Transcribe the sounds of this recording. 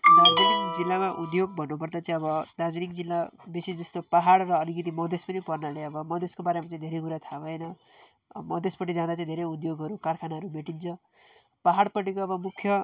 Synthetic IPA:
d̪ad͡zinikd͡zilːamaʔud̪joɡ̚bʱʌnːup̬ʌrd̪at͡sãĩʌbʌd̪ad͡zinikd͡zilːabisid͡zʌst̪opaɦaɽrʌːlikit̪̬imʌd̪espʌnipʌrnaleʌbʌmʌd̪ʱeskobaɾemat͡saĩd̪ʱeɾejkuɾat̪ʰaʌjnʌ | mʌd̪ʱespʌʈid͡zãd̪at͡saĩd̪ʱeɾeud̪joɡɦʌɾukarkʰanaɦʌɾubeʈint͡sʰʌ | paɦaɽpʌʈikoʌbʌmukʰjʌ

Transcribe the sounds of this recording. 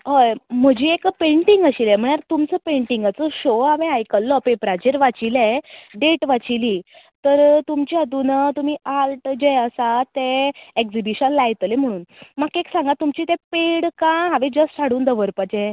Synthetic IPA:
ɦəjm̤əd͡ʑiːekpẽɳʈiŋɡəɕilɛm̤əɳaɾt̪umt͡səpẽɳʈiŋɡat͡səɕoɦaʋẽajkəlːɔpẽpɾad͡ʑeɾʋat͡ɕilɛɖeʈʋat͡ɕili | t̪əɾt̪umt͡ɕiəd̪unət̪um̤iːalʈd͡ʑeəsat̪eekd͡zibiɕənlajt̪lem̤əɽ̃uːnmakeksãŋɡat̪umt͡ɕit̪ɛ̃peɽkãɦaʋed͡ʑəssʰaɽuːnd̪əʋəɾpad͡ʑe

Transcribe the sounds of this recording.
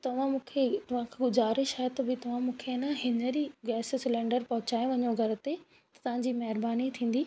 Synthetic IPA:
t̪ɐʋ̤ãmũːkʰet̪ɐʋ̤ãkʰaɡʊzaːɾɪʃaːɦet̪ɐbɪt̪ɐʋ̤ãmũːkʰeɪnãɦɪnəɾiɡɛːssɪlɛ̃ːɳɖəɾpɐɦʊt͡ɕaːjõʋɐɲoɡʱɐɾ̆t̪e | t̪ɐt̪ɐʋ̤ãɲd͡ʑiːmɐɦɪɾbaːnit̪ʰĩːn̆d̪iː

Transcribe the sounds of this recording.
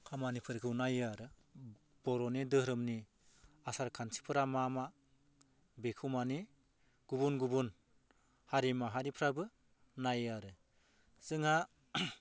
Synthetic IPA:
kʰamanipʰɯɾkʰɯwnajaɾɯ | b̥ɔɾɔnidɯɾɯmni | asaɾkʰansʰi̥pʰɯɾamama | bekʰumani | ɡ̥ubunɡubun | haɾimaɦaɾipʰɾabɯ | najaɾɯ | z̥ɯŋa

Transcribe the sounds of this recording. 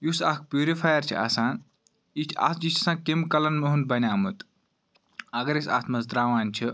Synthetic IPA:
jusɐk̚ʰpjuːɾifʰaːjɐɾt͡ʃʰḭa̰sãːn | it͡ʃʰa̰t̪ʰd͡ʒit͡ʃʰsãːkimkɐlɐnmeɦun̚bɐnʲaːmut̪ | ɐɡɐɾesa̰ːt̪ʰmɐzt̪ɾaːʋaːnʲt͡ʃʰi

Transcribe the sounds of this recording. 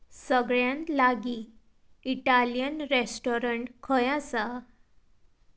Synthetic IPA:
səɡɭjãnt̪laɡi | iʈaljənɾesʈɔɾəɳʈkʰəjãsa

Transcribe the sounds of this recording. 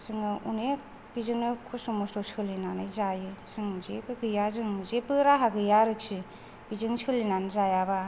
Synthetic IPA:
sɯŋɯunek̚ | b̥izɯŋnɯkʰusomɔstosɯlinanɯjzajɯsɯŋmuzekɯɡɯjazɯŋmuzepɯɾaɦaɡɯjaɾɯk̚si | b̥izɯŋsɯlinanzajaba

